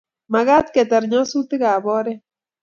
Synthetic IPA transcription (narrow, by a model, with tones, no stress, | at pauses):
ma˨ɣa˦t̪ke˨t̪a˨ɾɲo˦su˦t̪ɨ˦ɣa˨bo˦ɾe˦